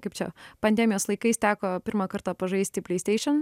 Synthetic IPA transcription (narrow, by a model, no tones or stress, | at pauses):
kɐɪp̚t͡ʃʲɛ̰pɐnʲd̪ʲɛmʲɪjoːslˠɐɪkɐɪst̪ʲæːkoːpʲɪɾmɑkɐɾt̪ɑːpɐʒɐɪsʲt̪ʲɪpʲlʲɛɪsʲt̪ʲɛɪʃʲɛn